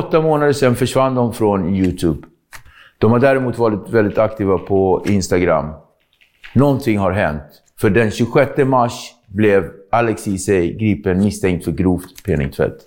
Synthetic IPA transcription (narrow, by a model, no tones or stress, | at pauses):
ɔt̪ːamoːnad̪əʂɛnːfœʂvand̪ɔmfɾɔnjʉːt̪ʰʉːb | d̪̥ɔmhaɖæːɾɛmuːt̪vɑːɾɪt̪vɛld̪ɪt̪akt̪ʰiːvapʰɔɪnst̪aɡɾa̰m | nɔnt̪ʰɪŋːhaɾɦɛ̰nt̪ | fœɖɛnɕɵɧɛt̪ːəmaʂ | blɛvʔalɛksiːsɛjɡɾiːpənmɪst̪ʰɛŋk̚t̪fœɾɡɾuːft̪pʰɛːnɪ̰ŋt̪ʰvɛ̰t̪ː